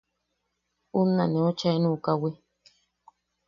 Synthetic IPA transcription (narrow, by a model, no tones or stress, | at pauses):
unːanĩot͡ʃaenũkawi